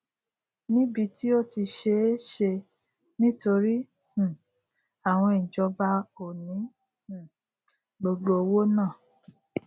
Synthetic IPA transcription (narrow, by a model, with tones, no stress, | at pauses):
nĩ˦bi˧ti˦o˦ti˧ʃe˧˦ʃe˧ | nĩ˦to˧ɾi˦ | h̩˨ | a˨w̃ɔ̃˧i˨d͡ʒɔ˧ba˧o˨nĩ˨˦ | h̩˨ | ɡ͡bo˧ɡ͡bo˧o˧wo˦nãː˦˨